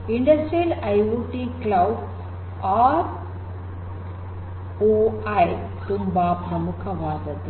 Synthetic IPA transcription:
iɳɖɐstɾilajuʈiklawɖ | aːɾ | oaj | ʈumbaːpɾɐmukʰɐʋaːd̪ɐd̪

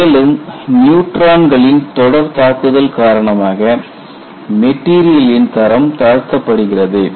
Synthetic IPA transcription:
eːlɯmnjuːʈɾaːnɡɐɭɪnt̪ɔɽɐɾt̪aːkːɯðɐlkaːɾɐɳɐmaːɣɐ | mɛʈːiːɾɪjɐlɪnt̪ɐɾɐmt̪aːɻt̪ːɐpːɐɽɯɣɪrɐðɯ

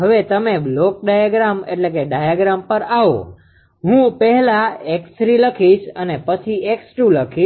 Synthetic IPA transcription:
ɦəʋet̪əmeblok̚ɖajaɡɾameʈlekeɖajaɡɾampəɾaʋo̰ | ɦũpəɦɛlaeksɾiləkʰiʃənepət͡ʃʰieksɾũləkʰiʃ

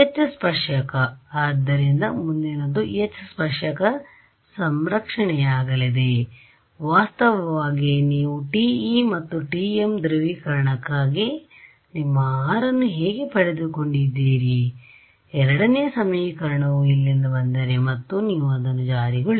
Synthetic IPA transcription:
et͡ʃːɐspɐʂɐkɐaːd̪ːɐɾind̪ɐmund̪inod̪uet͡ʃːɐspɐʂɐkɐ | sɐmɾɐkʂɐɳɛjaːɡɐlid̪e̞ | ʋaːst̪ɐʋɐʋaːɡiniːʋuʈiːimɐt̪ːuʈiːemd̪ɾiʋiːkɐɾɐɳɐkːaːɡi | nimːɐaːɾɐnːuɦɛːɡepɐɽed̪uko̞ɳɖid̪ːiːɾi | ɛɾɐɽɐnɛjɐsɐmijikɐɾɐɳɐʋuilːind̪ɐbɐnd̪ɐɾemɐt̪ːuniːʋuɐd̪ɐnːud͡ʒaːɾiɡɐɭ

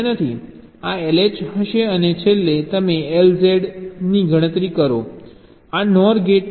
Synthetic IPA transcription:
nət̪ʰi | aeled͡ʒɦəʃeənet͡ʃʰelːet̪əmeelzeɖniɡʱəɽ̃ət̪ɾikəɾo | anɔɾɡeʈ

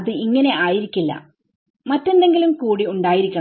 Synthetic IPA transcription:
ɐðɨiŋːɐne̞ʔaːjiɾikʲːilːɐ̰ | mɐtːe̞nd̪e̞ŋɡilumkuːɽiuɳɖaːjiɾikʲːu

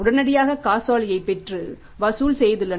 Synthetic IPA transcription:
ʊɽɐnɐɽɪjaːɣɐkaːsaːlɪjɐɪpːɛʈrɯ | ʋɐsuːlsɛjðɯlːɐ

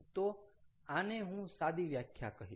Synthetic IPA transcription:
t̪oaneɦũsad̪iʋjakʰja̰kəɦḭ

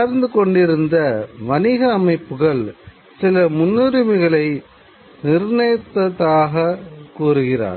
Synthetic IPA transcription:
ɾnd̪ɯkɔɳɖɪɾɯnd̪ɐʋɐnɪɣɐːmɐɪpːɯɣɐɭ | sɪlɐmʊnːɯɾɪmɪɣɐɭɐɪ | nɪɾnɐjɐt̪ːɐðaːɣɐkuːɾɯɣɪra̰ːɾ

